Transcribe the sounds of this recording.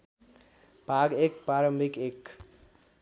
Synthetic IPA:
b̥ʱaɡekpɾaɾəmbʱikek

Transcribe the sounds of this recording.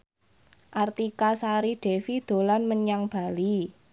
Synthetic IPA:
ʔart̪ikasaɾiɖ̥e̤fid̪̥o̤lanməɲaŋb̥a̤li

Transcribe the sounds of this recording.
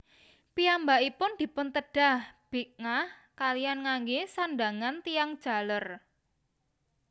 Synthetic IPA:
piambaʔipʊnd̪̥i̤pʊnt̪əɖ̥a̤hb̥i̤k̚ŋah | kalijanŋaŋɡesandaŋant̪ijaŋd̥ʒ̥a̤lər

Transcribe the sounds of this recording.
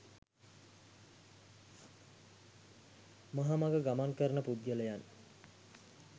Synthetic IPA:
maɦamaɡəɡamaŋkəɾənəpud̪̚ɡələjan

